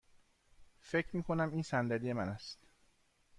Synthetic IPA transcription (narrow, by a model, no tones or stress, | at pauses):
fe̞cʰɾmiːkʰo̞næmiːnsænd̪æd̪ije̞mænæst̪